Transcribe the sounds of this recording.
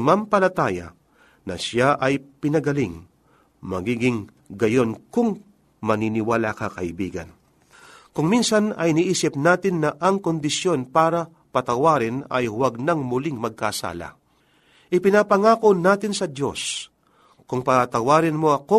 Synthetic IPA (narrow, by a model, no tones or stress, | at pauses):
mɐmpɐlɐt̪aːjɐ̰ | nɐ̰ʃaʔɐjpɪnɐɡɐlɪŋ | mɐɡiːɡɪŋ | ɡɐjo̞nkʊŋ | mɐninɪwalakɐkɐʔɪbḭːɡɐ̰n | kʊŋminsɐnɐ̰jniʔiːsɪp̚naːt̪ɪnːɐʔɐŋkond̪ɪsjo̞npaːɾɐ | pɐt̪ɐwaːɾɪnɐ̰jwɐɡ̚nɐŋmʊliŋmɐɡ̚kaːsa̰ːlɐ̰ | ʔɪpɪnapɐŋaːko̞naːt̪ɪnsɐd̪jo̞̰s | kʊŋpɐt̪ɐwaːɾɪnmo̞ɐko